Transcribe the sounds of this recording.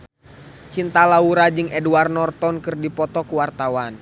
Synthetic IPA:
t͡ʃint̪alauɾad͡ʒɨŋɛduarnɔrt̪ɔnkɨrdipɔt̪ɔkuwart̪awan

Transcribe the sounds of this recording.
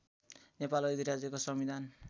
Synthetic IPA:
nepalʌjd̪iɾad͡zjʌkosʌmid̪ʱan

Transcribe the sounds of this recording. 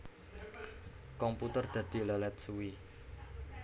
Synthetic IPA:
kɔmput̪ərd̪̥ä̤d̪̥i̤lɛlɛt̪̚suwi

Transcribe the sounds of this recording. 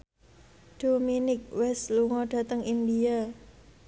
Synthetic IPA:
d̥ominɪk̚wɛst̪luŋɔɖ̥a̤t̪əŋindia

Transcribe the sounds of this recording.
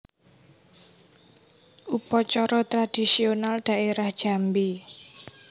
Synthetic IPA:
upɔt͡ʃɔɾɔt̪ɾad̥i̤sionalɖ̥a̤ʔeɾahd̥ʒ̥a̤mbi

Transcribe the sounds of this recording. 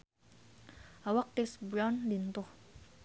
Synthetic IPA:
awak̚t̪isbɾawnlint̪ʊh

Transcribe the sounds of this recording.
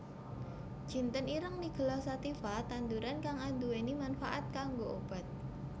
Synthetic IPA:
d͡ʒ̥i̤nt̪əniɾəŋniɡ̥ə̤lɔhsat̪ifat̪and̪uɾankaŋand̪uwenimanfaʔat̪̚kaŋɡoob̥a̤t̪̚

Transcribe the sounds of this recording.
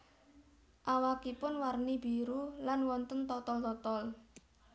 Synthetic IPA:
ʔawakipʊnwarnib̥iɾulanwɔnt̪ənt̪ɔt̪ɔlt̪ɔt̪ɔl

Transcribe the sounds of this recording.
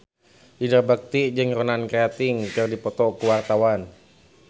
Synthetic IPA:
ʔidabak̚t̪id͡ʒɨŋronankeat̪ɪŋkɨrdipɔt̪ɔkuwart̪awan

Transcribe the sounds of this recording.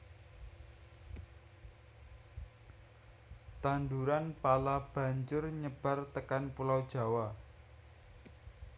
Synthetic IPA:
t̪and̪uɾanpalab̥a̤ɲt͡ʃʊrɲəb̥a̤rt̪əkanpulawd̥ʒ̥a̤wa

